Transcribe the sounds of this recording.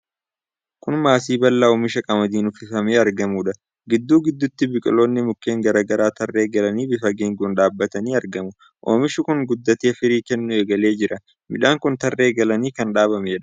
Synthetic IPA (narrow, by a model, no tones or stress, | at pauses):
kʊnmaːsiːbɐlːaoːmɪʃɐkʼɐmɐd̪iːnʊfɪfɐmeːɐɾɡɐmuːᶑɐ | ɡɪd̪ːuːɡɪd̪ːʊt̪ːɪbɪkʼɪlo̞ːnːɪmʊkːe̞ːŋɡɐɾaːɡɐɾaːt̪ɐrːe̞ːɡɐlɐniːbɪfɐɡeːŋɡuːnᶑaːbːɐt̪ɐniːɐɾɡɐmʊ | ʔoːmɪʃɪkʊŋɡʊd̪ːɐt̪eːfɪɾiːkɛnːʊeːɡɐle̞ːd͡ʒɪɾɐ | mɪᶑaːŋkʊnt̪ɐrːe̞ːɡɐlɐniːkɐnᶑaːβɐmeːᶑɐ̥